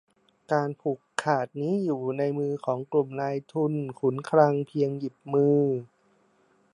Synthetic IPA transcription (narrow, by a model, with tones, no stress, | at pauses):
kaː˧npʰu˨˩kʰːaː˨˩t̪̚niː˦˥juː˨˩na˧jmɯː˧kʰɔː˩˦ŋklu˨˩mnaː˧jt̪ʰu˧nkʰu˩˦nkʰɾa˧ŋpʰi˧əŋji˨˩p̚mɯː˧